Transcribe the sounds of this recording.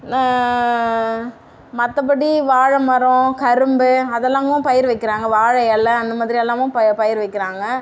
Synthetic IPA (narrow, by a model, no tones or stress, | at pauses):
naː | mɐt̪ːɐp̬ːɐɽiʋaːɻɐmɐɾɔ̃kɐɾɯmbɯɐðɛlːãːŋɡɐʊ̃pɐjɪɾʋɐɪkːɪɾaːŋɡɐʋaːɻɐjɛlːɐːnd̪ɐmaːðɪɾiɛlːãːʋʊ̃pɐpɐjɪɾʋɐɪkːɪɾaːŋɡɐ